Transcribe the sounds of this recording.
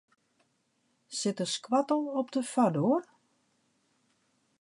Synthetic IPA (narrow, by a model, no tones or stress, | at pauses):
sɪtəskwatəlˠɔp̚dəfador